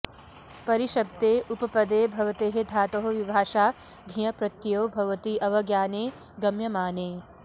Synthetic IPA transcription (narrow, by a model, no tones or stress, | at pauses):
pɐɾiʃɐb̚d̪eːʔupɐpɐd̪eːbʱɐʋɐt̪eːɦed̪ʱaːt̪oɦoʋibʱaːʃaː | ɡʱijɐpɾɐt̪joːbʱɐʋɐt̪iʔɐʋɐɡjaːneː | ɡɐmjɐmaːneː